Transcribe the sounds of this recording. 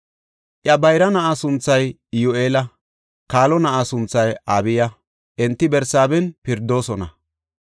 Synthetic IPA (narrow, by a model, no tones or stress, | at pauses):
ʔjɐbɐjɾɐnɐʔasʊnt͡sːɐj | jʊʔeːlɐ | kaːlɔnɐʔasʊnt͡sːɐjaːbɪjɐ | ʔɛnt̪ːɪbɛɾsaːbɛnpɪɾd̪ːo̞ːsɔnɐ̰